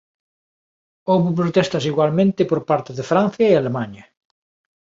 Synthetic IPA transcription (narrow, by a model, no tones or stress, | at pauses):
oβup̬ɾot̪ɛst̪ɐs̬iɣwalmẽnt̪ɪpoɾpaɾt̪ɪðefɾanθjɐealemaɲɐ